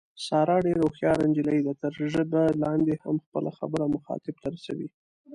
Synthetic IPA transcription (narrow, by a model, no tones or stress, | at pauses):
sɑɾɑɖeɾoxjɑɾand͡ʒɪlajd̪at̪əɾʒəbalɑnd̪eha̰mxpəlaxabəɾamʊxɑ̰t̪ɪb̚t̪aɾasawi